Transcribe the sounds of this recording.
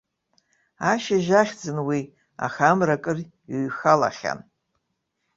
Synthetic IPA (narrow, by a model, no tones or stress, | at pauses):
aʃaʒaχʲd͡zɨnwi | a̰xamrakʼɨr | ɥxala̰χʲa̰n